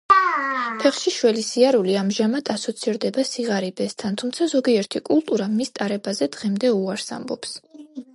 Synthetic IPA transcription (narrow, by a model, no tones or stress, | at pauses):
pʰɛχʃiʃwɛlisiaɾuliamʒamad̪ʰasɔt̪sʰiɾd̪ɛbasiʁaɾibɛst̪ʰant̪ʰumt̪sʰazɔɡiɛɾt̪ʰikʼulˠt̪ʼuɾamist̪ʼaɾɛbazɛd̪ʁɛmd̪ɛuaɾsa̰mbɔ̰ps